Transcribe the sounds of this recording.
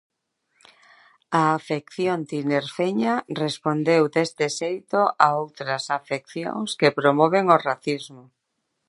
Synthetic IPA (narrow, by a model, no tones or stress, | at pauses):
aːfekθjont̪ineɾfeɲarespond̪ewd̪est̪ɪsejt̪oʔaowt̪ɾɐsafek̚θjo̰ŋskepɾomɔβ̞eŋoraθizmo